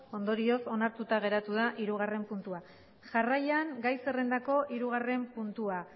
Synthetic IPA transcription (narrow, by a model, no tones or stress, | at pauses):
o̞nd̪o̞ɾio̞so̞naɾt̪ut̪aɣ̞e̞ɾat̪uð̞aʔiɾuɣ̞are̞mpunt̪ua | ʝarajaŋɡajse̞rend̪ako̞ʔiɾuɣ̞are̞mpunt̪ua